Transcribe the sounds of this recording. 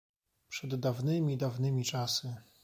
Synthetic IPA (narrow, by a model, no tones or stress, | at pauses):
pʂɛd̪ːavnɘmʲid̪avnɘmʲit͡ʂasɘ